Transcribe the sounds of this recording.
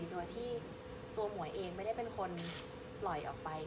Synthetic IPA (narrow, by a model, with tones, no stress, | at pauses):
t̪u˧ət̪ʰiː˥˩ | t̪u˧ɐmu˩˦əjʔeː˧ŋm˥˩da˥˩jpe˧nkʰo˧n | pʰlɔ˨˩jʔɔ̰ː˨˩k̚pa˧j